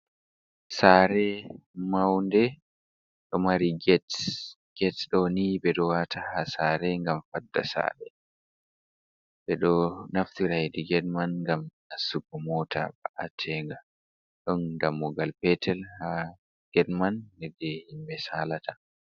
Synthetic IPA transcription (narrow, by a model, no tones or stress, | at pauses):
saːɾɛ | mawndɛ | ɗɔmaɾiɡɛt | ɡ̥ɛtɗɔnibɛɗɔwatʰahasaːɾɛŋɡamfadːa̰sa̰ːɾɛ̰ | bɛɗɔnaftiɾajdiɡɛdmanŋɡam | asukːɔmɔtʰa̰ba̰ʔatʰɛŋɡa | ɗɔndamːɔɡalpɛtʰɛlha | ɡ̥ɛdmanːɛdɛhimbɛsalata